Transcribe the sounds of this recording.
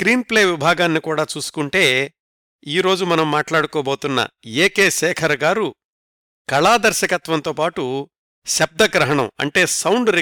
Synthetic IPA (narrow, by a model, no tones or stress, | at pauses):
kɾiːnple̞ːʋibʱaːɡaːnːikuːɽaːt͡ʃuːsu̥kuɳʈe̞ː | iːɾo̞ːd͡ʒumɐnɐmːaːʈlaːɽukoːboːt̪unːɐ̰eːkeːʃɛːkʰɐɾɐɡaːɾu | kɐɭaːd̪ɐɾʃɐkɐt̪ʋɐnt̪o̞ːpaːʈu | ʃɐb̚d̪ɐɡɾɐɦɐɳɐmɐ̰ɳʈe̞ːsɐwɳɖɾi